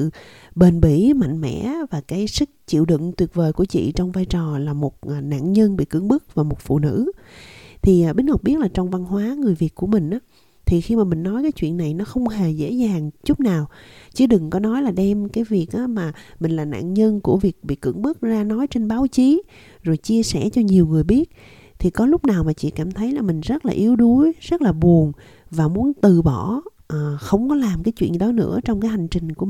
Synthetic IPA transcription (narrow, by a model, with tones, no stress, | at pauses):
ɨ̰˧˨ | ɓe˨˩nɓḭ˧˩ma̰˧˨jŋ̟mɛ̰˧˥vaː˨˩kaː˨˦jsɨ˦˥k̚t͡ɕḭ˧˨wɗɨ̰˧˨ŋt̪wi˨˩ət̚vəː˨˩jku˧˩ət͡ɕḭ˧˨t͡ɕɔ˧wŋ͡mvaː˧jt͡ɕɔ˨˩laː˨˩mo˨˩t̚ʔna̰ː˧˨nɲə˧nɓḭ˧˨kɨ̰˧˩əŋɓɨ˦˥k̚vaː˨˩mo˨˩t̚fṵ˧˨nɨ̰˧˥ | t̪ʰi˨˩ʔɓï˨˦n̟ŋa˨˩wk͡p̚ɓi˦˥ət̚laː˨˩t͡ɕɔ˧wŋ͡mva˧nɦwaː˨˦ŋɨ˨˩əjvi˨˩ət̚ku˧˩əmï˨˩ŋ̟ʔaː˨˦ | t̪ʰi˨˩xi˧maː˨˩mï˨˩ŋ̟nɔ˨˦jkaː˨˦jt͡ɕwḭ˧˨ənːa˨˩jnɔ˨˦xə˧wŋ͡mɦe˨˩zḛ˧˥zaː˨˩ŋt͡ɕʊ˦˥k͡p̚naː˨˩wt͡ɕɨ˧˦ɗɨ˨˩ŋkɔ˨˦nɔ˨˦jlaː˨˩ɗɛ˧mkaː˨˦jvi˨˩ək̚ʔaː˨˦maː˨˩mï˨˩ŋ̟laː˨˩na̰ː˧˨nɲə˧nku˧˩əvi˨˩ək̚ɓḭ˧˨kɨ̰˧əŋɓɨ˦˥ək̚zaː˧nɔ˨˦jt͡ɕe˧nɓaː˨˦wt͡ɕi˨˦ | zo˨˩jt͡ɕi˧əsɛ˧˩t͡ɕɔ˧ɲi˨˩əwŋɨ˨˩əjɓi˦˥ət̚ | t̪ʰi˨˩kɔ˨˦lʊ˦˥k͡p̚naː˨˩wmaː˨˩t͡ɕḭ˧˨kaː˧˩mt̪ʰə˨˦jlaː˨˩mï˨˩ŋ̟zt̚laː˨˩ʔi˨˦əwɗu˨˦jz̥ə˦˥t̚laː˨˩ɓu˨˩ən | vaː˨˩mu˨˦ənt̪ɨ˨˩ɓɔ˧˩ | ʔxə˧wŋ͡mkɔ˨˦laː˨˩mkaː˨˦jt͡ɕwḭ˧˨ə˨ɗɔ˨˦nɨ̰˧˥ət͡ɕɔ˧wŋ͡mkaː˨˦jɦa˨˩jŋ̟t͡ɕï˨˩ŋ̟ku˧˩